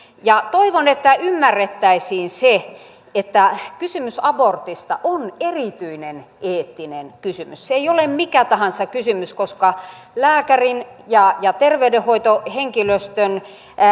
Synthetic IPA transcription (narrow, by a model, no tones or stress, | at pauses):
jɑt̪oiʋonet̪ːæymːærːet̪ːæisiːnse | et̪ːækysymysɑbort̪ist̪ɑʔonerit̪yinenʔeːt̪ːinenkysymysseeiolemmikæt̪ɑhɑnsɑkysymyskoskɑ | læːkærin | jɑjɑt̪erʋeydehoit̪oheŋkiløst̪øn